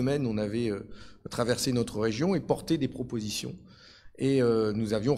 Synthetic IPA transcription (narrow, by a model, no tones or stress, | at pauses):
əmɛnɔ̃navɛøt̪χavɛʁsenɔt̪χəʁeʒjɔ̃epɔʁt̪ed̪epχɔpozisjɔ̰̃ | eønuzavjɔ̃